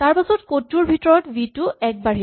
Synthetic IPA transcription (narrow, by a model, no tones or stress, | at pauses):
taɹpasɔtkotuɹbʱitɔɹɔtbitʊɛk̚baɹi